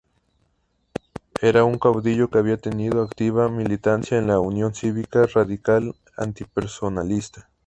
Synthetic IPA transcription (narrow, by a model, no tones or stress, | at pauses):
eɾauŋkawd̪iʎokeaβiat̪eniðoakt̪iβamilit̪ansjaenlaunjonsiβikaraðikal | a̰nt̪ipeɾsonalist̪ḁ